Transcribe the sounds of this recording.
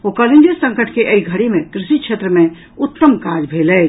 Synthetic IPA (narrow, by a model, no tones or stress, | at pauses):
okɔlend͡ʒəɾsə̃ŋkəʈʰkeʔəiɡʱəɽimẽt̪ɾɪʃit͡ʃʰet̪ɾəmẽ | ut̪ːəmkad͡ʒbʱelɛt͡ʃ